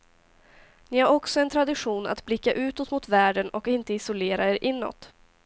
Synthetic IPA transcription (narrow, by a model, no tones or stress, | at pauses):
nɪhaɾɔksɔɛnt̪ʰɾad̪ɪɧuːna̰t̪blɪkːaʔʉ̟ːt̪ɔt̪mʊt̪væːɖənɔkɪnt̪əɪsʊleːɾaeːɾʔɪnːɔ̰t̪